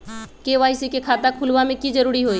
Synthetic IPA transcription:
keʋaːisikekʰaːt̪akʰʊlʋamẽkid͡ʒɐɾuːɾiɦoːiː

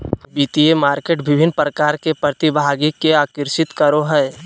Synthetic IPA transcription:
biːt̪iemaːɾkeːʈbɪbʱɪnːpɾəkaːɾkepɾət̪ibʱaːɡikːeaːkɪɾʃɪt̪kəɾoɦɛː

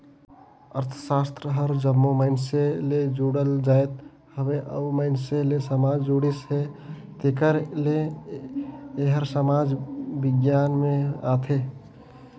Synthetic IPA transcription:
ə̰ɾt̪ʰə̥sast̪ɾəɦəɾd͡ʒəmːoməɪnseled͡ʒuɽəld͡ʒaet̪̚ | həbeʔə̰bməɪnselesəmad͡ʒd͡ʒuɽisɦe | t̪ekəɾle | ɦəɾsəmad͡ʒbiɡjanmeat̪ʰe

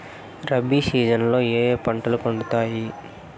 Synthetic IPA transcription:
ɾɐbisiːd͡ʒɐnlo̞ːeːeːpɐɳʈɐlupɐɳɖut̪aːji

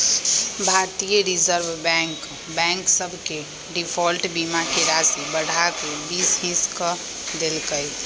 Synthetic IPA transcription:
bʱat̪ijəɾid͡ʒəɾbʱbɛ̃ŋk | bɛ̃ŋksəbʱke | ɖipʰɔlʈbimakeɾasibəɽ̤ʱakebisɦĩskə | d̪elkəj

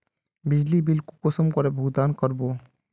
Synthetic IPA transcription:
bɪd͡ʒlibilkukosəmkɔɾebʱuɡd̪aːnkɔɾbo

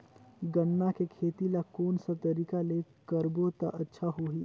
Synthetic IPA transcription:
ɡənːakekʰeːt̪ilakoːnsat̪ɐɾiːkalekəɾbot̪aʔɐtːʃʰaɦoɦiː

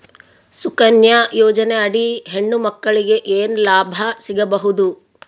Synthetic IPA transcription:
sukɐnjɐjɔːd͡ʒɐneɐɽiɦeɳːumɐkːɐɭiɡe̞ʔeːnlaːbʱɐsiɡɐbɐɦud̪u

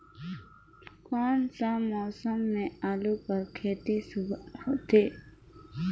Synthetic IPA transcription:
kɔːnsãmɔːsəmnẽaːlupəɾkʰeːt̪isut̪eː

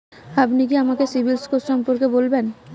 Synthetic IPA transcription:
apnik̬iamakesibʱilskoʃɔmpoɾkebolben

